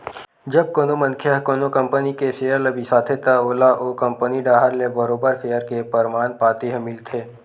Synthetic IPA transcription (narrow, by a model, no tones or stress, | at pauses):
d͡ʒɐb̚koːnomə̃nkʰjəɦkoːnokɐ̃mpənikeseːəɾləbʱisaːt̪ʰet̪aoːlaʔoːkɐ̃mpəniɖaːɦəɾlebəɾoːbəɾfejəɾkepəɾmaːnpaːt̪eɦəmɪlt̪ʰeː